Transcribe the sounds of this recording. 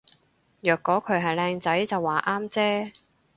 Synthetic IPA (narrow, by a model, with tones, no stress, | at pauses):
jœː˨˩kːɔː˨˥kʰɵ˨˧ɥɦɐ˨jlɛː˧ŋt͡sɐ˨˥jt͡sɐ˨wːaː˨˩ʔaː˥mt͡sɛː˥